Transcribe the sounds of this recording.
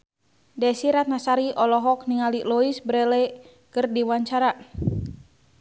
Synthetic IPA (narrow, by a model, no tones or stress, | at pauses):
dɛsiɾat̪̚nasaɾiʔɔlɔɦɔk̚niŋalilɔisbəɾɛlɛ | kɨrdiwaɲt͡ʃaɾa